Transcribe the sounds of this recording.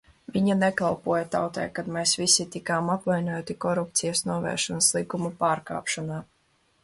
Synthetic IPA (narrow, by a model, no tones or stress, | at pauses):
viɲanekalˠpuɔjat̪a̰wt̪ɛ̰jkad̪meːsvisit̪ikaːmapvajnujot̪ikɔɾup̚t̪sijasnuɔvɛ̰ːɾʃɔnaslˠikumupaːɾka̰ːpʃɔnaː